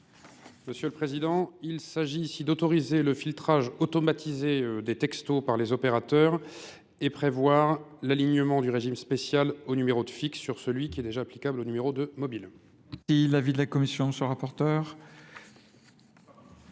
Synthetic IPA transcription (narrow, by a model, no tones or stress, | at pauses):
məsjøləpχezid̪ɑ̃ilsaʒiːsid̪ot̪ɔʁizeləfilt̪χaʒɔt̪ɔmat̪izeød̪et̪ɛkst̪opaʁlezɔpeʁat̪œʁ | epχevwaʁlaliɲəmɑ̃d̪yʁeʒimspesjalonymeʁod̪əfiksːyʁsəlɥikʲiɛd̪eʒaːplikablonymeʁod̪əmɔbil | ilavid̪əlakɔmisjɔ̃səʁapɔʁt̪œːʁ